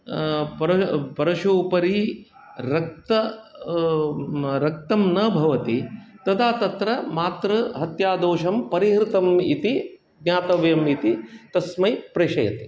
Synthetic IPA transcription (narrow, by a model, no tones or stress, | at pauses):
pɐɾɐpɐɾɐʃuːpɐɾi | ɾɐk̚t̪ɐ | ɾɐk̚t̪ɐmnɐbʱɐʋɐt̪it̪ɐd̪aːt̪ɐt̪ɾɐmaːt̪ɾɐɦɐt̪jaːd̪oːʃɐmpɐɾiɦɾɪt̪ɐmḭt̪i | ɡnʲaːt̪ɐʋjɐmit̪it̪ɐsmɐjpɾeːʃɐjɐ̰t̪i̥